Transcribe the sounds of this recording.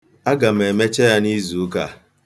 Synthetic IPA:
a˦ɡa˨m̩˨e˨me˦t͡ʃe˦ja˦ni˦zu˨u˦ka˨

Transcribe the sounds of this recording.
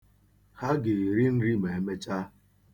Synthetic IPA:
ha˦ɡɪ˨ɾi˦n̩˦ɾi˦me˨e˨me˦t͡ʃa˦

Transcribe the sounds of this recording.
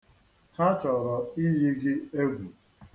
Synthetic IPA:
ha˦t͡ʃɔ˨ɾɔ˨i˦ɦi˦ɡɪ˦e˦ɡʷu˨

